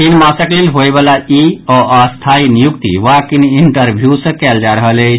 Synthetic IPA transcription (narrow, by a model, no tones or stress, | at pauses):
kinmasəklelɦoebalaiɔəst̪ʰainijukt̪ḭwakiniɳʈəɾbʱjusə̃kɛld͡ʒaɾəɦəle